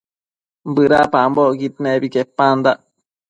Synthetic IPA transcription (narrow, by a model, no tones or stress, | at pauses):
bɨɾapambokit̪nebikepːand̪aʔ